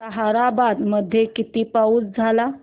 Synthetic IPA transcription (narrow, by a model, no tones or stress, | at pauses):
əɦaɾabad̪məd̪ʱːjekit̪ipauːt͡sd͡zʱala